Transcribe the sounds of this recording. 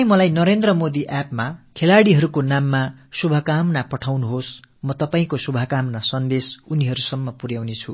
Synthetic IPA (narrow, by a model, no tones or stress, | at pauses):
ĩmʌlajnʌɾend̪rʌmod̪iʔapmakʰelaɽiɦʌɾukonamːasubʱʌkamnapʌʈʰawnuɦosmʌt̪ʌpaĩkosubʱʌkamnasʌnd̪esuniɦʌɾusʌmːʌpurjawnet͡sʰu